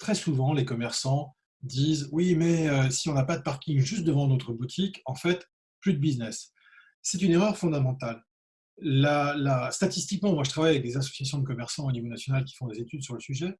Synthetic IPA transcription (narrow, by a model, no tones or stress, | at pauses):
t̪χɛsuvɑ̃lekɔmɛʁsɑ̃ | d̪izwimɛøsiɔ̃napad̪əpaʁkʲiŋʒyst̪̚d̪əvɑ̃not̪χəbut̪ʰikɑ̃fɛt̪ | plyd̪əbiznɛsː | ɛt̪yneʁœʁfɔ̃d̪amɑ̃t̪alː | alast̪at̪ist̪ikmɑ̃mwaʒət̪χavajavɛk̚d̪ezasɔ̥sjas̬jɔ̃d̪əkɔmɛʁsɑ̃onivonasjɔnalkʲi̥fɔ̃d̪ezet̪yd̪syʁləsyʒɛ